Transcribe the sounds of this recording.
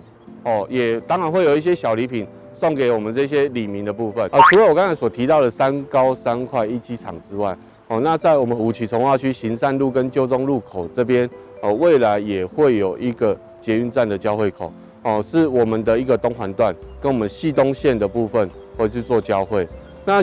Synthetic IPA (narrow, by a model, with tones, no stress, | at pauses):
hɔ˥˩jɛ˨˩t̪ɑ˥ŋɻa˨nxwe˥˩ɪjo˨˩ʊi˥ɕjɛ˦˥ɕjɑ˨˩ʊli˧˥pʰi˨˩n | sɔ˥˩ŋke˨˩ɪwɔ˨˩mə˨˦nt͡sɤ˥˧˩ɕ̬jɛ˦li˨˩mi˨˦nd̪ə˨pu˥˧fə˨nə˧t͡sʰu˧˥lə˧˦wɔ˨kɑ˦ŋt͡sʰa˧˦ɪswɔ˨˩t̪ʰi˧˦t̪ɑ˥˩ʊd̪ə˨˩sa˦nka˦ʊsa˦nkʰwa˥˧ɪi˥˩t͡ɕi˥t͡sʰɑ̰˨˩ŋt͡sɻ̩˦wa˥˩ɪ | hɔ˥˨na˥˧t͡sa˥˩ɪwɔ˨˩mə˨˦nu˨˩t͡ɕʰi˨˩t͡sʰɔ˧˦ŋwa˥˧t͡ɕʰy˥˩ɕi˧˦nsa˥˧nlu˥˨˩kə˦nt͡ɕjo˥˧ʊt͡sɔ˦ŋlu˥˩kʰo˨˩ʊt͡sɤ˥˧p̬jɛ˦˥n | ɔ˨˩we˥˩ɪla˨˧˦ɪjɛ˨˩xwe˥˩ɪjo˨˩ʊʔi˧˥ɡə˨ | t͡ɕjɛ˨˦y˥˧nt͡sa˥˩nd̪ə˨t͡ɕjɑ˥ʊxwe˥˩ɪkʰo̰˨˩ʊ | hɔ˥˩ʂɻ̩˥˩wɔ˨˩mə˨nd̪ə˨i˧˦ɡə˨t̪o˥˦ŋxwa˧˦nt̪wa˥˨nkə˦nwɔ˨˩mə˨nɕi˥˨t̪o˦ŋɕjɛ˥˨nd̪ə˩pu˥˧fə˥˨n | we˥˧˩t͡ɕʰy˥˧t͡swɔ˥˨t͡ɕjɑ˦˥ʊxwe˥˩ɪ | na˥˩